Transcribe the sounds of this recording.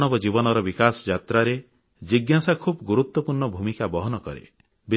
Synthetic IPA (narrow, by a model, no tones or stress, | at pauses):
nɔbɔd͡ʒibɔnɔɾɔbikasɔd͡ʒat̪ɾaɾe | d͡ʒiɡjasakʰubɔɡuɾut̪wɔpuɾɳɔbʱumikabɔɦɔnɔkɔɾḛ | bi